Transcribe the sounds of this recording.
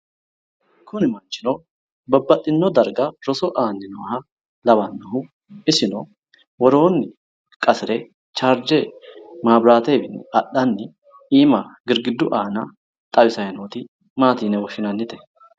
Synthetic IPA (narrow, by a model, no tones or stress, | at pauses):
kʊnɪmɐnt͡ʃːɪno | bɐbːɐt̪ʼːɪnːɔd̪ɐɾɡɐɾɔsɔʔaːnːɪnɔhɐ | lɐβɐnːɐɦʊ | ɪsɪno | wɔɾo̞ːnːɪ | kʼɐsɪɾɛ | t͡ʃaːɾd͡ʒemaːbɾaːt̪eːbɪnːɪɐɗɐnːɪ | iːmɐɡɪɾɡɪd̪ːʊʔaːnɐ | t̪ʼɐbɪsɐjɐnoːt̪ɪ | maːt̪iːnɛwɔʃɪnɐnːɪt̪ɛ̥